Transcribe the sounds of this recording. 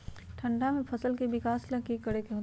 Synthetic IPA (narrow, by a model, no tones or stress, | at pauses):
ʈʰɐ̃ɳɖamẽpʰɐsəlkebɪkaːslɐkikːəɽekeɦo